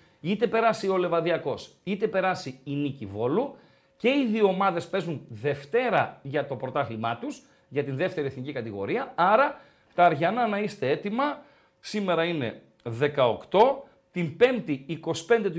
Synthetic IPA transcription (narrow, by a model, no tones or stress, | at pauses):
it̪e̞pe̞ɾɐsio̞le̞vɐðiɐko̞sit̪e̞pe̞ɾɐsiːnicivo̞lu | ce̞iðioomɐðe̞spe̞zunðe̞ft̪e̞ɾɐʝɐt̪o̞pɾo̞t̪ɐxlimɐt̪us | ʝɐt̪inðe̞ft̪e̞ɾieθnicikɐt̪iɣo̞ɾiɐɐɾɐ | t̪ɐːɾʝɐnɐnɐist̪e̞e̞t̪imɐ | sime̞ɾɐine̞ | ðe̞kɐo̞kt̪o̞ | t̪impe̞mt̪iːko̞si̥pe̞nd̪e̞t̪u